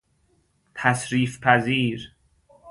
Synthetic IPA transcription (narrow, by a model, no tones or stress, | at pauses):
t̪ʰæsɾiːfpʰæziːɾ